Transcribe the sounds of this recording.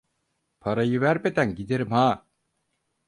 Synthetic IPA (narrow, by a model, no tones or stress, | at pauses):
pʰaɾajɯvæɾbed̪ænɟid̪eɾimhaː